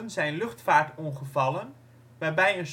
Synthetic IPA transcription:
ənzɛjnlɵχtfaːɹtɔnχəvɑlən | ʋaːɹbɛjəns

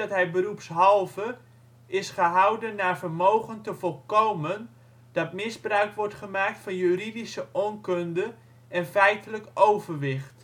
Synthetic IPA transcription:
ɑtɦɛjbəɾupsɦɑlˠvə | ɪsχəɦʌwdənːaːɹvərmowχəntəvɔlˠkowmən | d̥ɑtmɪzbrœɥkʋɔɹtχəmaːk̚tfɑnjyridisəʔɔnkøndə | ɛnfɛjtələkowvərʋɪχt

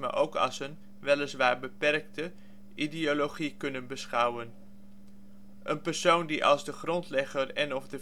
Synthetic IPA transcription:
ma̰ʔowkɑ̰sən | ʋɛləsʋaːɹbəpɛrk̚tə | ʔidioloχikɵnənbəsχʌwən | ʔənpəɹsowndiʔɑ̰lˠzdəχrɔntlɛχərɛnɔfdə

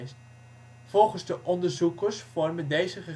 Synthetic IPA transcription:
st | v̥ɔlˠχənzdəʔɔndəɹzukəsfɔrməndejzəχə

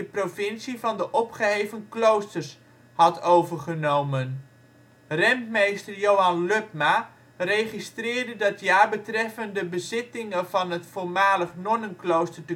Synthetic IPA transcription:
əprofɪnsivɑndəʔɔpχəɦejvənklowstərs | hɑtʰowvərχənowmən | rɛntmejstəɹjowɑnløpma | rejχistrɪːɹdədətʰjaːɹbətrɛfəndəbəzɪtɪŋəvɑnətfoɹmaːləχnɔnənklowstəɹtə

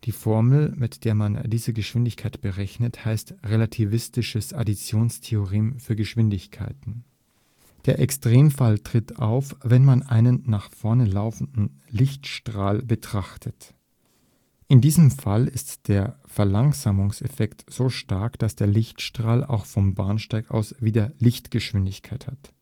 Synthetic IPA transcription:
d̥iːfɔɐml̩mɪtd̥eːɐmandiːzəɡəʃv̥ɪndɪçkʰaɪtb̥əʁɛçnəthaɪstʁelatʰivɪstɪʃəsa̰dit͡sjoːnstʰeoʁeːmfyːɐɡəʃv̥ɪndɪçkʰa̰ɪtn̩ | d̥eːɐʔɛkstʁ̥eːmfaltʁ̥ɪta̰ʊfvɛnmanʔaɪnənːaːχfɔɐnəlaʊfn̩dn̩ | lɪçtʃtʁ̥aːlbətʁ̥aχtʰət | ʔɪndiːzəmfalɪstd̥eːɐfɛɐlaŋzaːmʊŋsɛfɛktz̥oːʃtaɐkd̥asd̥eːɐlɪçtʃtʁ̥aːla̰ʊxfɔmbaɐnʃtaɪka̰ʊsv̥iːdɐlɪçtɡ̥əʃv̥ɪndɪçkʰaɪthat

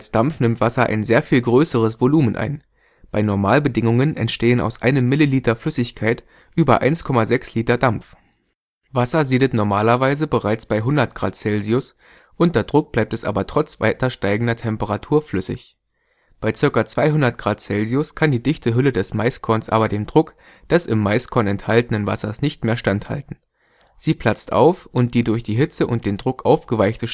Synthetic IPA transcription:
asd̥amfnɪmtv̥asɐʔa̰ɪnzeːɐfiːlɡʁøːsəʁ̞əsv̥oluːmənʔa̰ɪn | b̥aɪnɔɐmaːlbədɪŋʊŋənʔɛ̰ntʃteːəna̰ʊsʔa̰ɪnəmːɪliliːtɐflʏsɪçkʰaɪt | ʔyːbɐ̰ʔa̰ɪnskʰɔmazɛksliːtɐdamf | vasɐziːdətnɔɐmaːlɐvaɪzəbəʁaɪt͡sb̥aɪɦʊndɐt̚ɡ̥ʁaːtt͡sɛlziʊs | ʔʊntɐɐdʁʊk̚b̥laɪp̚tɛsʔa̰ːbɐtʁ̥ɔt͡sv̥a̰ɪtɐʃtaɪɡŋ̩dɐtʰɛmpəʁatʰuːɐflʏsɪ̰ç | b̥aɪt͡sɪɐkɐt͡sv̥aɪɦʊndɐt̚ɡ̥ʁaːtt͡sɛlziʊskʰandiːdɪçtəɦʏlədɛsmaɪskʰɔɐnsʔa̰ːbɐdeːmdʁʊk | d̥ɛsɪmːaɪskʰɔɐnɛnthaltənənva̰sɐ̰snɪçtmeːɐʃtantha̰ltn̩ | z̥iːpʰl̥at͡stʔa̰ʊfʔʊnt̚d̥iːdʊɐçd̥iːɦɪt͡səʔʊnt̚d̥eːndʁʊkʔaʊfɡ̥əvaɪçtəʃ

